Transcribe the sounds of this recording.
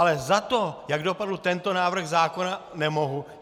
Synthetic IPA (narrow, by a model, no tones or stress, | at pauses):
lɛzat̪ojaɡdo̞padl̩t̪ɛnt̪o̞naːvr̩ɣzaːko̞nanɛmoɦu